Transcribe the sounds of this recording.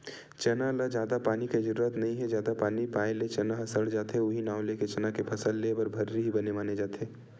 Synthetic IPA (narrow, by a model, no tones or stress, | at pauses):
t͡ʃɐnalad͡ʒjaːd̪apaːniked͡ʒɐɾuːɾət̪nɐɦĩɦɛd͡ʒjaːd̪apaːnipaːelet͡ʃɐnãɦɐsəɽd͡ʒaːt̪ɦɛʊɦinaːʊleket͡ʃɐnakepʰɐsəlːebɐɾbʱɐɾːiɦibɐnemaːned͡ʒaːt̪eː